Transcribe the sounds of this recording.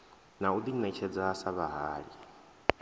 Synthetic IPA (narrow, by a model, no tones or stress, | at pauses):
naud̪inɛt͡ʃʰɛd͡zaɦasaβaɦaːɺi